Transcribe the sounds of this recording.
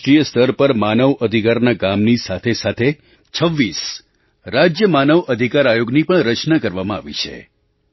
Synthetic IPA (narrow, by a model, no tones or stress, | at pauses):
ʈɾijəst̪ʰəɾpəɾmanəʋəd̪ʱikaɾnaɡamnisat̪ʰesat̪ʰe | t͡ʃʰəʋːis | ɾad͡ʒjəmanəʋʔəd̪ʱikaɾajoɡnipəɳɾət͡ʃnakəɾʋamãaʋḭt͡ʃʰḛ